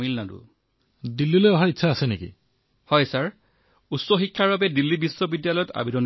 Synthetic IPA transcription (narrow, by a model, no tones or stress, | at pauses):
milnadṵ | dilːilojɔɦaitːʃʰaːsɛnekḭ | hɔjsaɹ | utsɔxikʰːaɹbabɛdilːibisːɔbidjalɔjɔta̰bidɔn